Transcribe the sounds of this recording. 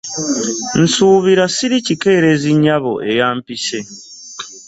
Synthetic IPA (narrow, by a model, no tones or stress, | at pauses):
n̩suːβiɾasiɾicike̞ːɾeziɲaβo̰ʔe̞jaːmpise̞